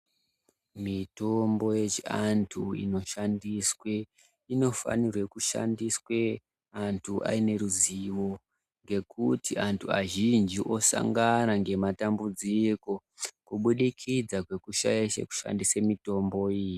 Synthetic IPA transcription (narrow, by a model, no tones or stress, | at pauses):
mito̞mbo̞je̞t͡ʃiantʰuḭno̞ʃandiswe̞ | ino̞fa̰nirwekuʃa̰ndiswe̞ | antʰuʔa̰ine̞ɾuziwo̞ | ŋɡe̞kutiantʰua̰ʒind͡ʒiʔo̞sa̰ŋɡanaŋɡe̞matambud͡ziko̞ | kuɓuɗikʰid͡zakwe̞kuʃajaʃḛku̥ʃa̰ndisemito̞mbo̞iːji